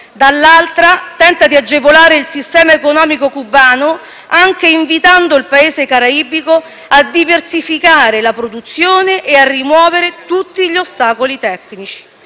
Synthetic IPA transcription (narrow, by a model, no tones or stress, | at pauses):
d̪alːalt̪ɾat̪ɛnt̪ad̪iad͡ʒːevolaːɾeilsist̪ɛːmaekonɔːmikokubːaːno | aŋk̟eiɱvit̪and̪oilpaeːzekaɾaibiko | ad̪ːiversifikaːɾelapɾod̪ut̪sːjoːneʔearːimwɔːveɾet̪ut̪ːiʎost̪aːkolit̪ɛkːnit͡ʃi̥